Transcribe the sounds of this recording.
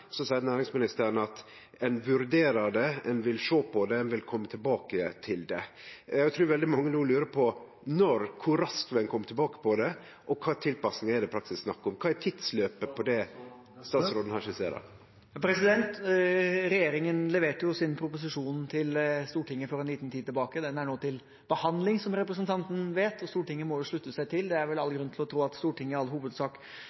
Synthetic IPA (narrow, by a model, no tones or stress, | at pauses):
sɔsɑɪd̪ənæːɾɪŋsmɪnɪst̪əɾənɑt̪ | ɛnʋʉɾd̪eːɾɑd̪ɛɛnʋɪlʂoːpʰɔd̪ɛɛnʋɪlkʰɔmːət̪ʰɪlbɑːkət̪ʰɪld̪ɛ | jæɡt̪ʰɾʉːɾʋɛld̪ɪmɑŋːənuːlʉːɾəpʰɔ | nɔɾkʰʊɾɑskʋɛnkʰɔmːət̪ʰlbɑːkə̥pʰɔd̪ɛ | ʔɔkʰɑːt̪ʰɪlpɑsnɪŋɛd̪ɛpɾɑkt̪sɪssnɑkːʊmkʰɑːɛt̪ʰɪd̪sløːpəpʰɔd̪ɛ | st̪ɑːsɾoːd̪n̩hɑʂɪsḛːɾɑ̰ | pʰɾɛsɪd̪ɛnt̪ | ɾɛjeːɾɪŋənlɛʋeːʈəjʊsɪnpʰɾʊpʊs̬ɪʂuːnt̪ʰɪlst̪uːʈɪŋːəfɔɾɛniːt̪nt̪ʰiːd̪t̪ʰːɪlbɑːkəd̪ɛnæɳoːt̪ʰɪl | b̥əhɑnd̪lɪŋsɔmɾɛpɾəs̬ənt̪ʰɑnt̪ən̩ʋeːt̪ɔst̪uːʈɪŋːəmɔjʊʂɭʉt̪ːəsæɪt̪ʰɪld̪ɛæɾʋɛlɑlːəɡɾʉnt̪ʰlɔt̪ʰɾuːɑt̪st̪uːʈɪŋːəɾɑlːhuːʋəd̪sɑːk